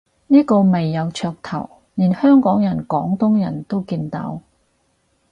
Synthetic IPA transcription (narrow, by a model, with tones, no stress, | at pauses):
niː˥kɔː˧me˨jːɐ˨˧wt͡ʃʰœː˧k̚t̪ʰɐ̰˨˩w | niː˨˩nhœː˥ŋkɔː˨˥ŋjɐ˨˩nkɔː˨˥ŋt̪ʊ˥ŋjɐ̰˨˩nt̪o˥wkiː˧nt̪a̰˧˥w